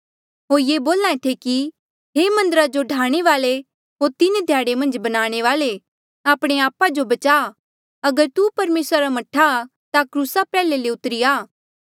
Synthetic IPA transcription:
ɦoːɾjeːboːlãẽt̪ʰeki | ɦeːmɐ̃nd̪əɾad͡ʒoɖʱaːɽ̃eʋaːle | ɦoːɾt̪ɪned̪ʱjaːɽemɐ̃nd͡ʒbɐnaːɽ̃eʋaːle | aːpɽ̃eaːpad͡ʒobɐt͡ʃaː | ɐɡəɾt̪upɐɾmeːsɾaɾamɐʈʰːa | t̪akɾuːsapɛːleleʊt̪ɾijaː

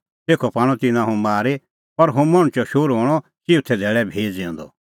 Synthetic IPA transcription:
t̪eːkʰɔpaːɽ̃ɔt̪ɪnãɦʊ̃maːɾe | pɐɾɦõmɐɽ̃t͡ʃɔʃoːɾɦoːɽ̃ɔt͡ʃɪʊt̪ʰɛd̪ʱɛːɭɛbʱeːd͡zẽɔ̃nd̪ɔ̰

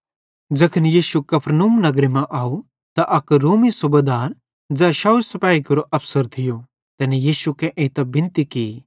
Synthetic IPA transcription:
d͡ʒɐkʰənjiːʃukɐpʰɾnuːmnɐɡɾemɛ̃ʔaːu | t̪aʔɐkɾoːmisʊbɐd̪aːɾ | d͡ʒɛːʃaːusɐpaːikɐɾoʔɐpʰsəɾt̪ʰɪjo | t̪ɛːnejiːʃukeʔẽːt̪ɐbɪ̃nt̪ikiː

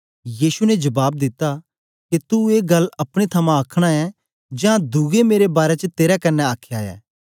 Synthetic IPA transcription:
jiːsunɛd͡ʒɐbaːb̚d̪ɪt̪ːa | ket̪ueːɡɐlɐpɽ̃et̪ʰɐmãɐkʰɽ̃aɛ | d͡ʒãd̪ʱuɡemeːɾebaːɾet͡ʃət̪eːɾakɐnːɛaːkʰjaɛ̰ː

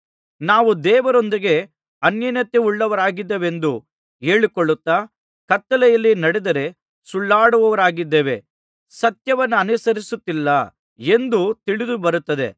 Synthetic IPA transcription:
naːʋud̪ɛːʋɐɾond̪iɡe̞ | ɐnjɐnɐt̪jeuɭːɐʋɐɾaːɡid̪ːeːʋe̞nd̪u | eːɭikoɭːut̪ːaː | kɐt̪ːɐlɛjɐlːinɐɽɛd̪ɐɾe̞ | suɭːaːɽuʋɐʋɐɾaːɡid̪ːeːʋe̞̰ | sɐt̪jɐʋɐnːuɐnusɐɾisut̪ːilːɐ | e̞nd̪ut̪iɭid̪ubɐɾut̪ːɐd̪e̞̰

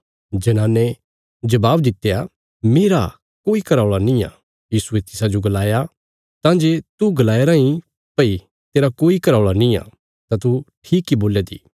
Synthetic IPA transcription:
d͡ʒɐnãːnːe | d͡ʒɐbaːbd̪ɪt̪ːeja | meːɾa | koːikɐɾaːɭanĩa̰ | jiːsuet̪ɪsad͡ʒoɡɐlaːja | t̪ãːd͡ʒeːt̪uɡɐlaːeɾaĩ | pɐi | t̪eːɾakoːikɐɾaːɭanĩa̰ | t̪ãt̪uʈʰiːkːiboːljat̪ḭː

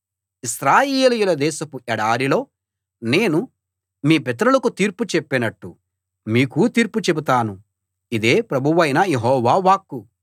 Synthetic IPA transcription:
isɾaːjeːlujulɐd̪ɛːʃɐpuɛɽaːɾilo̞ː | ne̞ːnu | miːpɛt̪̬ɐɾulɐkut̪iːɾput͡ʃepːinɐʈːu | miːkut̪iːɾput͡ʃebut̪aːnu | id̪e̞ːpɾɐbʱuʋɐjnɐjeɦɔːʋaːʋaːkːu

